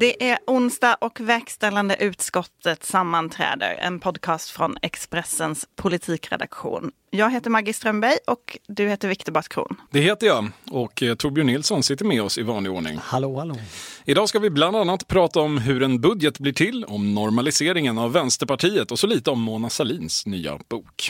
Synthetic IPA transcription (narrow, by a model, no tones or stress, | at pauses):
d̪ɛʔæɾʊnsd̪ɑʔɔkvɛɾkst̪ɛlːand̪əʔʉ̟ːt̪skɔt̪ʰːət̪samːant̪ʰɾɛ̰ːd̪ə̰ɾɛ̰npʰɔd̪kʰɑːst̪fɾɔnɛ̰kspɾɛsənspʰʊlɪt̪ʰiːkɾɛ̰d̪a̰kɧṵːn | jɑːɡɦeːt̪əɾmaɾɡɪst̪ɾœmbɛjɔkd̪ɵheːt̪əɾvɪkt̪əbaʈkʰɾṵːnd̪ɛheːt̪əjɑɔkt̪ʰʊbɪʊɳɪlsɔnsɪt̪ːəɾmɛɔsɪvɑːnlɪoːɳɪ̰ŋh | ɪd̪ɑːskavɪbland̪anːat̪pʰɾɑːt̪aɔmɦɵɾɛnbɵd̪jət̪blɪːʈʰɪlːɔmnɔɾmalɪseːɾɪŋənavːɛnst̪əɾpaʈʰiːət̪ɔsɔliːt̪əɔmːʊnasaliːnsnyːa̰b̥uːk